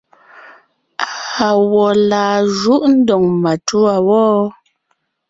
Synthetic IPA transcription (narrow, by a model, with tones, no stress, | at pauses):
a˨wɔ˨laː˨ʒu˦ʔn̩˦dɔ˨ŋma˨tu˦a˨wɔː˦